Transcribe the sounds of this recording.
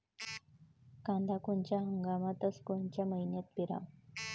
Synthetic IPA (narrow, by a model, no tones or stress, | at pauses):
kãnd̪akunt͡ɕaɦəŋɡamat̪əskont͡ɕaməjnjat̪̚piɾa̰